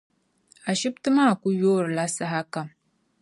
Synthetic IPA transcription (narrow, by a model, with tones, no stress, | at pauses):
a˨ʃi˦btɨ˦maː˦˨ku˦joː˦ɾɨ˨la˦sa˦ɦa˦ka˨m